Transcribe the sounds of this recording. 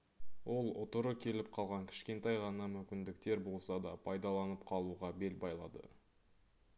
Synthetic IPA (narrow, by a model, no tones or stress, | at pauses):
wʔo̞lˠʊ̰t̪əɾəkʲʰe̞lɪp̚qʰɑlˠʁɑŋkʲʰɪ̥ʃkʲe̞nt̪ɑjʁɑnɑmʏmkʲɪnd̪ɪk̚t̪e̞ɾbo̞lˠsɑd̪ɑpʰɑjd̪ɑlˠɑnəp̚qʰɑlˠuʁɑbe̞lbɑjlˠɑ̰d̪ə̰